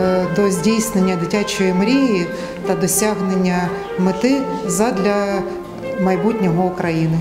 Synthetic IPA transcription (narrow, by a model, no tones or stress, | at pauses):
d̪ɔzʲdʲijsnenʲːɐd̪ɪtʲat͡ʃɔjɪmɾʲiji | t̪ɐd̪ɔsʲaɦnenʲːɐ | mɪt̪ɪzɐd̪lʲɐ | mɐjbutʲnʲɔɦɔʊkɾɐjinɪ